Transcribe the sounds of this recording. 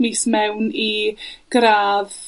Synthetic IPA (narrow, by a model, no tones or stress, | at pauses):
miːsmɛwniɡ̥ɾaːð